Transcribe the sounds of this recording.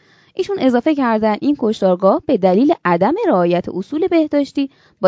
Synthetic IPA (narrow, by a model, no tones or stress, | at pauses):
ʔiːʃune̞zɒːfe̞cʰæɾd̪ænd̪iːnkʰo̞ʃt̪ɒːɾɡɒːhb̥e̞d̪æliːleʔæd̪æme̞ɾeɒːjæt̪ʰḛʔosuːle̞be̞hd̪ɒːʃt̪iː | bɒ